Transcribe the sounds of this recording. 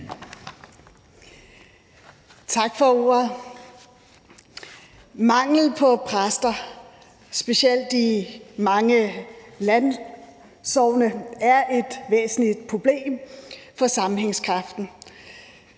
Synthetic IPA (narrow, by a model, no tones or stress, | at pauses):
t͡sʰɑ̈ɡ̥fɒ̽o̝̰ːɐðˠ | mɑ̈ŋ̰l̩pʰɒ̽pʰʁasd̥ɐ | sb̥e̝siel̰d̥imɑ̈ŋəlæn | sɒʊ̰nəæɐʔe̝d̥ʋḛːsn̩lid̥̚pʰʁo̝b̥le̝̰ːmfɒ̽sɑ̈mn̩ɦeŋskʰʁɑ̈fd̥n̩